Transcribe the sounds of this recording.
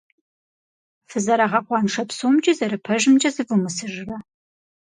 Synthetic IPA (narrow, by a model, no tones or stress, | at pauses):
fɨzɐɾɐʁɐqʷɑːnʂɐpsoːmd͡ʒɐzɐɾɨpʰɐʒɪmd͡ʒʼɐzɨvumɨsɨʒɨrɐ